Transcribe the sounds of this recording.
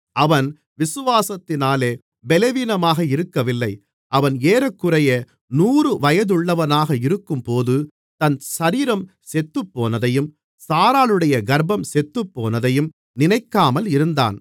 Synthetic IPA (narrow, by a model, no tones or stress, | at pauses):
ɐʋɐn | ʋɪsɯʋaːsɐt̪ːɪnaːleː | bɛlɛʋiːnɐmaːɣɐɪɾɯkːɐʋɪlːɐɪ | ʔɐʋɐneːɾɐkːɯrɐjɐ | nuːrɯʋɐjɐðɯɭːɐʋɐnaːɣɐɪɾɯkːɯmpoːðɯ | t̪ɐnʃɐɾiːɾɐm | sɛt̪ːɯpːoːnɐðɐjɯm | saːɾaːlɯɽɐjɐɡɐɾbɐmsɛt̪ːɯpːoːnɐðɐjɯm | nɪnɐɪkːaːmɐlɪɾɯnd̪a̰ːn